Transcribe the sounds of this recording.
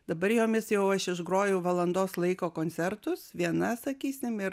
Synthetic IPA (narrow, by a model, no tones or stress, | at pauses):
d̪ɐbɐɾjoːmʲɪsjɛʊɐʃɪʒɡɾoːjɛʊʋɐlˠɐnd̪oːslˠɐɪkoːkoːnʲtsʲɛɾt̪ʊsʋʲiɛnɐsɐkʲiːsʲɪmɪɾ